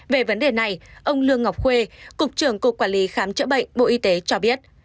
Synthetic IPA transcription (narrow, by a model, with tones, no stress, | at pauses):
ve˨˩və˨˦nɗe˨˩na˨˩jʔə˧wŋ͡mlɨ˧əŋːa˨˩wk͡p̚xwe˧kʊ˨˩k͡p̚t͡ɕɨ˧˩əŋku˨˩əkwaː˧˩nli˨˦xaː˨˦mt͡ɕə̰˧˥ɓə̰˧˨jŋ̟ɓo̰˧ʔi˧t̪e˨˦t͡ɕɔ˧ɓi˦˥ət̚